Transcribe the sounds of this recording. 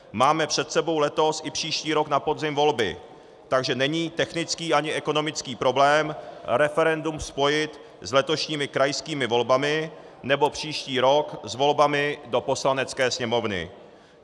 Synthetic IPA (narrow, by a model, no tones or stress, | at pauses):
maːmɛpr̝̥ɛt̪sɛbo̞wlɛt̪o̞sɪpr̝̥iːʃciːɾo̞knapo̞dzɪmvo̞lbɪ̰ | t̪aɡʒɛnɛɲiːt̪ɛxnɪt͡skiːʔaɲɪʔɛko̞no̞mɪt͡skiːpɾo̞blɛːmɾɛfɛɾɛndumspo̞jɪt̪ | zlɛt̪o̞ʃɲiːmɪkɾajskiːmɪvo̞lbamɪ | nɛbo̞pr̝̥iːʃciːɾo̞kzvo̞lbamɪdo̞po̞slanɛt͡skɛːsɲɛmo̞vnɪ̰